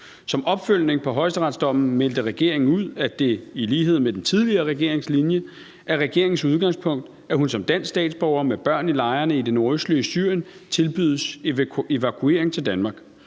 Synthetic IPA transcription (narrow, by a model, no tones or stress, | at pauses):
sɒ̽mʔɒ̽b̥føl̰ne̝ŋpʰɒ̽ɦɒ̽ɪsdəʁɑ̈d̥sd̥ɒ̽m̰n̩mel̰d̥əʁɛɡ̥e̝̰ɐe̝ŋn̩uð̞̰ˠæd̥e̝iliːɦe̝ð̰ˠmed̥ent͡sʰið̞ˠliɐːʁɛɡ̥e̝ɐ̰e̝ŋslinjə | ʔæɐʁɛɡ̥e̝ɐ̰eŋn̩suð̞ˠɡ̥ɑ̈ŋspʰɔ̽ŋ̰d̥ | æɦunsɒ̽md̥æn̰ssd̥ɛ̰ːd̥sb̥ɒʊ̰ɐmeb̥ɶɐ̰nilɑ̈ɪɐnəid̥e̝no̝ɐøsd̥liəsy̰ɐ̰jən | t͡sʰe̝lb̥yð̞̰ˠse̝ʋækʰue̝̰ɐeŋt͡sʰeld̥ænmɑ̈ːɡ̥